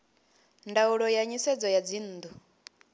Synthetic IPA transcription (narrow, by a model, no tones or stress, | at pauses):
ndauɺɔjaɲisɛd͡zɔjad͡zin̩ːd̪u